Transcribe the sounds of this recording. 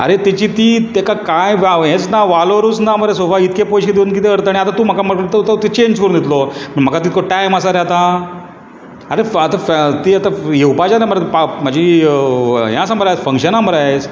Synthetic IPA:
a̰ɾet̪it͡ɕit̪it̪ekakajʋaɦẽt͡snaʋaloɾut͡snaməɾasofait̪kepojɕed̪eunkit̪eəɾt̪aɽiat̪at̪uməkaməkət̪ət̪ət̪et͡ɕeɲd͡ʑʰkəɾũnd̪it̪loməm̤əkat̪it̪koʈajməsaɾat̪a | aɾefət̪aft̪iat̪ajewpad͡ʑalaməɾpam̤ad͡ʑʱi | ɦjãsambəɾajt͡sfəŋkɕənaməɾajet͡s

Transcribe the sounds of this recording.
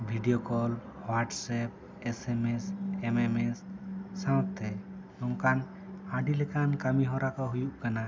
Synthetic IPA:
bʱiɖijokɔl | waʈsɛp̚ | esemesememesːãw̃t̪ʰːɛ | ɔŋkan | aɖilɛkankamiɦɔɾakɔɦujuʔkana

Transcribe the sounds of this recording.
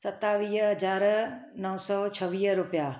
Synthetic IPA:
sɐt̪aʋiːɦɦɐd͡ʑaːɾnɐɦsɔːt͡ɕʰɐʋiːɦɾʊpija

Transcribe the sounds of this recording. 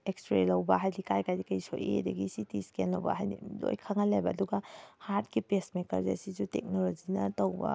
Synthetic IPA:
ekspɾelɐwbɐɦajdikajkajdikɐjso̰jḛdɐɡisitiskenlɐwbɐ̰ɦajdḭlo̰jkʰaŋɐlejbɐːduɡɐhaɾtkipesmekɐ̰ɾzḛsizutek̚nolod͡ʒinɐtɐwbɐ̰

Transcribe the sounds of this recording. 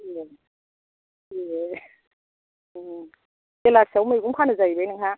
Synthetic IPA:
jɛ | jɛ | tɛlak̚sawmekumkʰanɯzajbenɯŋha

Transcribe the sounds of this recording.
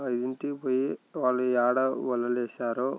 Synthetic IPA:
ɐjd̪iɳʈipojiʋaːlːuaːɽɐʋɐlːɐlɛːʃaːɾo

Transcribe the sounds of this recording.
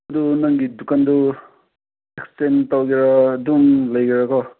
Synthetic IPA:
d̪unʌŋɡid̪ukand̪u | ekstent̪ʌwɡeɾʌd̪uŋlʌjɡeɾʌkɔ

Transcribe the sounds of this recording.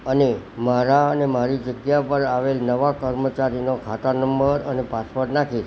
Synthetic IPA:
ənemaɾaənemaɾid͡ʒəɡjapəɾaʋelnəʋakəɾmət͡ʃaɾinokʰat̪əɾnəmbəɾənepaspəɾʈnakʰi

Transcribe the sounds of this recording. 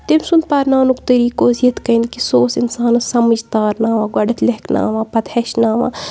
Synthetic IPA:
t̪emsund̪̚pɐɾnaːnukt̪əɾiːkoːzijɐt̪kɐjnd̪kisoːsinsaːnɐsɐməd͡ʒt̪aːɾnaːʋãːɡɐɖɐt̪leɦkna̰ːʋãːpɐt̪heʃnaːʋa̰ː

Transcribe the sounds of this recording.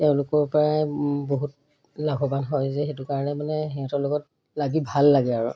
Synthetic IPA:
tɛʊ̃lʊkɔɹpɔɹaboɦut | laɡʱɔbanɦɔjzɛxetukaɹɔnɛmanɛɦɛɔtɔɹlokɔt̚ | laɡibʱalːaɡɛaɹʊ̰

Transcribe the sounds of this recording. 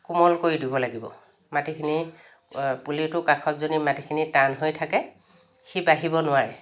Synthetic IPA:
kumɔlkoɹidibɔlaɡibɔ̰ | matikʰini | pulitʊkakʰɔtzonimatikʰinitanɦojtʰakɛ | xibaɦibɔnʊwaɹɛ

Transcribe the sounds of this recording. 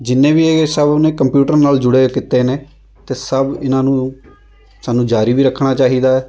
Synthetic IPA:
d͡ʒɪnːẽːʋiːeːsəbʊnẽːkəmpjuːʈəɾnaːld͡ʒʊɽeːkɪt̪ːeːneː | t̪eːsəbɪnãːnũː | saːnːũːd͡ʒaːɾiːbiːɾəkʰːɳaːt͡ʃaːɦiːd̪aːɛː

